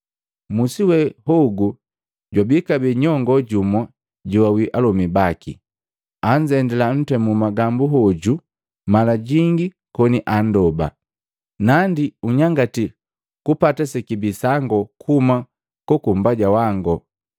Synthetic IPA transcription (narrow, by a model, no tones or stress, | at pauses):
musiwɛhɔɡu | ɟwabikabɛɲɔŋɡɔɟumwa | ɟuwawiʔalɔmibakḭ | aɲd͡ʒɛndɛlan̩tɛmumaɡambuɦɔɟu | malaɟiŋɡi | kɔniʔandɔba̰ | nandiuɲaŋɡati | kupatasɛkibisaŋɡɔkʰuma | kɔkumbaɟawaŋɡɔ